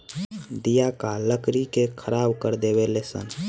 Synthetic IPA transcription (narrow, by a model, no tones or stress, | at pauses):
d̪ijakaləkɾikekʰəɾaːbkəɾd̪eːwelesə̰n